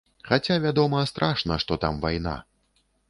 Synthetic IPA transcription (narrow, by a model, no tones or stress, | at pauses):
xat͡sʲavʲad̪ɔmɐst̪ɾʔaʂnɐʂt̪ɔt̪a̰mvajn̪a̰